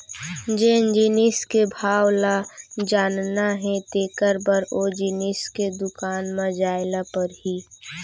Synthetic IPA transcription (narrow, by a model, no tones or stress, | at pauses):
d͡ʒend͡ʒiniskebʱaːwlad͡ʒaːnnaɦɛ̃t̪eːkəɾbəɾod͡ʒinisked̪ʊkaːnmə̃d͡ʒaːɪlapəɾɦiː